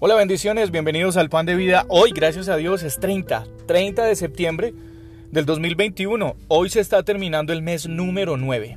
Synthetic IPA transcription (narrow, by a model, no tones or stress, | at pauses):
o̞laβe̞nd̪isjo̞ne̞zbjembe̞niðo̞s̬alpand̪e̞β̞iðaʔo̞jɡɾasjas̬að̞jo̞s̬e̞st̪ɾejnt̪a̰t̪ɾe̞jnt̪aðe̞se̞p̚t̪je̞mbɾe̞ | ðeld̪o̞zmilbe̞jnt̪iuno̞o̞jse̞ːst̪at̪e̞ɾmĩnãnd̪o̞e̞lme̞znũme̞ɾo̞nwe̞βe̞